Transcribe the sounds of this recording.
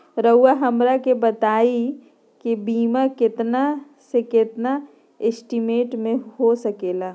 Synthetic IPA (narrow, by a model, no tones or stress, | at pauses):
ɾəʊwaɦɐmɾakebɐt̪aːi | kibiːmakɪt̪na | sekɪt̪na | ɪsʈimeːʈmẽɦosɐkeːlaː